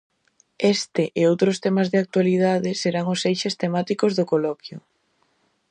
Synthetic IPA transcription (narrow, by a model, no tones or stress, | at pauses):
est̪ɪʔeowt̪ɾʊst̪emazðeak̚t̪walið̞aðɪseɾaŋʊsejʃest̪emat̪ikʊzðʊkolɔkjʊ